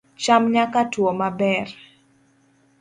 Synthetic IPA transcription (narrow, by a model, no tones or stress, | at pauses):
t͡ʃamɲakatwɔmabɛr